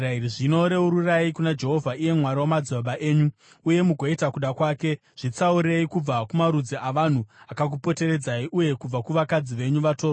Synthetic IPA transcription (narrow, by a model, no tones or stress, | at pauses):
airiʐino̞ɾe̞uɾurajikunad͡ʒe̞ɦo̞vʱaije̞mwaɾawomad͡zoɓaʔeːɲu | uje̞muɡʱoitakuɗakwaːke̞ | ʐ̥it͡sauɾe̞ikub͡vakumaɾud͡ziʔaʋan̤uakak̬upo̞te̞ɾe̞d͡zaiʔuje̞kub͡vakuʋakad͡ziʋe̞ɲuʋato̞ːro